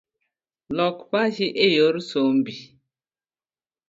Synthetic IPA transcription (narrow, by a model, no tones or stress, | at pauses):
lɔkbaʒiʔejoɾsom̩bi